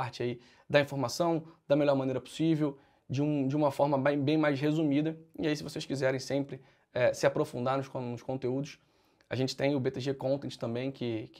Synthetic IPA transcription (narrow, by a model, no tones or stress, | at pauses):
aɾt͡ʃɪai | d̪ɐĩfoɾmasɐ̃w̃d̪̥ɐmeʎɔɾmɐ̃nejɾɐpʊ̥sivew | d͡ʒiũd͡ʒiũmɐfɔɾmɐbẽj̃bẽj̃majʃɦezumid̪ɐḭaisɪvoseʃkizɛɾẽj̃sẽmpɾɪ | ɛsɪapɾofũnd̪anʊʃkõnʊʃkõnt̪eud̪ʊʃ | a̰ʒẽnt͡ʃɪ̥t̪ẽj̃ʊbet̪eʒekõnt̪ẽt͡ʃɪ̥t̪ɐ̃mbẽj̃kɪk